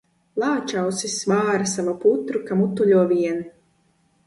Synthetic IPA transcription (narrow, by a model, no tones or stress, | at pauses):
lˠɑːt͡ʃawsisvaːɾasavaput̪ɾukamut̪ːuʎʲuɔviɛn